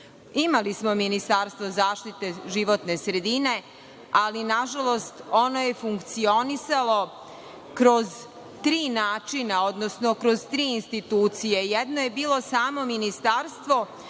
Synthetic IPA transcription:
imalismo̞minist̪aɾst̪ʋozaːʃt̪it̪eʒiʋot̪ne̞sɾe̞d̪ine̞ | alinaʒalˠo̞st̪o̞no̞je̞fuŋkt̪sio̞nisalˠo̞ | kɾo̞z | t̪ɾiːnaːt͡ʃinao̞d̪no̞sno̞kɾo̞zt̪ɾiːinst̪it̪uːt̪sijejed̪no̞je̞biːlo̞saːmo̞minist̪aɾst̪ʋo̞

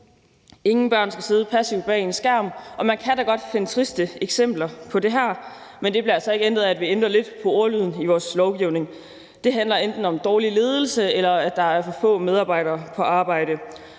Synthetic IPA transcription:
e̝ŋn̩b̥ɶɐ̰nsɡ̥æse̝ːð̞ˠəpʰæsiʊ̥b̥ɛ̰ːensɡ̥æɐ̰mʔɒ̽mænkʰæd̥æɡ̥ɒ̽d̥fe̝nət͡sʰʁisd̥əeɡ̥sem̰b̥lɐpʰɒ̽de̝ɦæɐ̰ | mend̥e̥liɐælsɒ̽e̝ɡ̥əendʁð̩ˠæd̥ʋiend̥ʁɐle̝d̥pʰɒ̽ɒɐlyð̰ˠn̩iʋɒːslɒʊɡ̥iʊne̝ŋ | d̥e̝ɦændlɐend̥n̩ɒ̽md̥ɒːlile̝ːð̞ˠl̩səelɐæd̥ɑ̈æɐfɒfɔ̰̽ːmeð̞ˠɑ̈ːb̥ɑ̈ɪ̰ɾɐːpʰɒ̽ʔɑ̈ːb̥ɑ̈ɪ̰ɾ̥ə

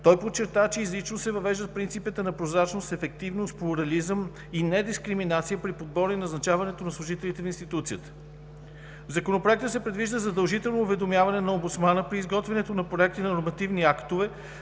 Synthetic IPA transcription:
t̪ɔjpott͡ʃːɛɾt̪at͡ʃɛizlit͡ʃnosɛvɐvɛʒd̪ət̪̚pɾint̪sipət̪ənɐpɾozɾat͡ʃnost̪ɛfɛk̚t̪ivnost̪̚plˠuɾɐlizəm | inɛd̪iskɾiminat̪sijəpɾipod̪̚bɔɾinɐznɐt͡ʃavɐnɛt̪onɐslˠuʒit̪ɛlit̪ɛninst̪it̪ut̪sijət̪ə̥ | vzɐkonopɾoɛk̚t̪əsɛpɾɛd̪viʒd̪əzɐd̪əlˠʒit̪ɛlˠnoːvɛd̪omjavɐnɛnɐombut̪smanəpɾiːzɡɔt̪vɛnɛt̪onɐpɾoɛk̚t̪inɐnʊɾmɐt̪ivniakt̪ovɛ

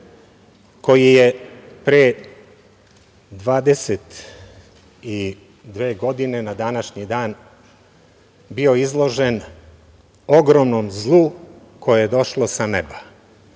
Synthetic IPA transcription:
ko̞jijepɾe | d̪ʋaːd̪e̞set̪ | i | d̪ʋe̞ːɡo̞d̪ine̞nad̪anaʃɲid̪aːn | bio̞izlˠo̞ʒe̞n | o̞ɡɾomnomzlˠu | ko̞jejed̪o̞ʃlo̞saneba

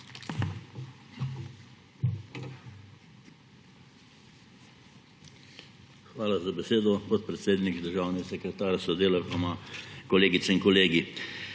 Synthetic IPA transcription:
xʋaːlazabɛseːd̪ɔpɔt̪̚pɾɛt̪seːd̪nikd̪əɾʒaːwnɛɡasɛkɾɛt̪aːɾasɔd̪eːlaɔmakɔleːɡit̪sɛinkɔleːɡi

